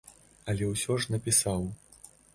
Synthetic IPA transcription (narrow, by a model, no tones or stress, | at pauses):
ɐlʲɛwsʲɔʐnɐpʲisaw